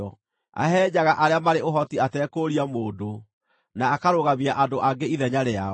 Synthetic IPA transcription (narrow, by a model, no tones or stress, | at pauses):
ɔ | a̰ɦɛːd͡ʑaɣaʔaɾeamaɾeoɦɔtiatɛːkoɾiamoːdo | naːkaɾoɣamiaʔandoʔaɡeiðɛɲaɾea